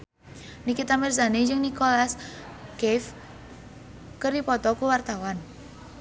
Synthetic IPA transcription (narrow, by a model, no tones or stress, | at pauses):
nikit̪amirsaned͡ʒɨŋnikolaskɛf | kəɾipɔt̪ɔkuwart̪awan